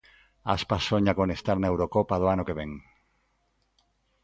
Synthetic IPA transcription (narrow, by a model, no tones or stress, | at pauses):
a̰spasoɲakonest̪aɾnaewɾokopað̞oanokeβ̞eŋ